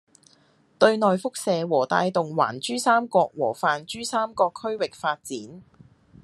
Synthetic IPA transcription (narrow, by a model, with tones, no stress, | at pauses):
t̪ɵ˧ɥnɔː˨jfʊ˥k̚sɛː˨wɔː˨˩t̪a̰ː˧jt̪ʊ˨ŋwa̰ː˨˩nt͡ʃyː˥saː˥mkɔː˧k̚wɔ̰ː˨˩faː˨nt͡ʃyː˥saː˥mkɔː˧kʰːɵ˥ɥwɪ˨k̚faː˧t̚t͡siː˨˥n